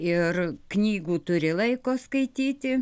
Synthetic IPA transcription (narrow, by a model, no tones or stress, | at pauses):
ɪrknʲiːɡuːt̪ʊɾʲɪlˠɐɪkoːskɐɪt̪ʲiːt̪ʲɪ